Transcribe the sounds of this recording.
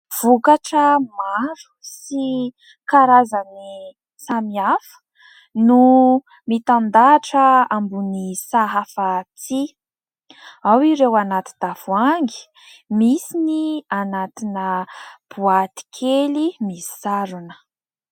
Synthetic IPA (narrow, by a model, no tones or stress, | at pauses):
v̥ukaʈ͡ʂəmaɾu̥si | kaɾazani | samiafə̥ | nu | mit̪and̪aʈ͡ʂəambunisaɦafat͡si | awiɾewanat̪i̥d̪afuaŋɡi̥ | misinianat̪inəb̥uat̪i̥kʰelimi̥saɾunə̥